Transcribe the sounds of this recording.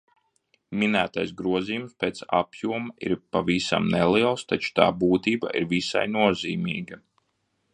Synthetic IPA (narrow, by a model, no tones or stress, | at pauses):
minæːt̪ajsɡɾuɔzijumspeːt̪sa̰pjuɔmaḭɾpavisa̰mnɛliɛlˠst̪at͡ʃu̥t̪a̰ːbuːt̪iːba̰ʔiɾvisa̰jnuɔziːmiːɡa